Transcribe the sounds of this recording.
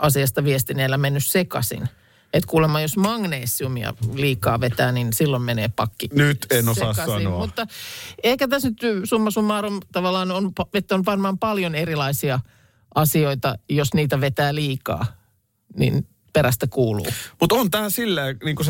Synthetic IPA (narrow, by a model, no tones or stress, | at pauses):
ʔɑsiɑst̪ɑʋiest̪ineːlːæmenːyssekɑ̰sḭn | et̪kuːlemːɑːjjosmɑŋneːsiumiɑ̰liːkɑ̰ːʋet̪æːninsilːommeneːpɑkːinyt̪enosɑːsɑsɑinomut̪ːɑeikæt̪æsnyt̪sumːɑsumːɑːromt̪ɑʋɑlːɑːnonpɑʋet̪ːænyʋɑnmɑːmpɑljonerilɑisiɑ | ʔɑsioit̪ɑjosniːt̪æʋet̪æːliːkɑ̰ː | nḭn | peræst̪ækuːlṵːmut̪ont̪æːsilːæːniːŋkus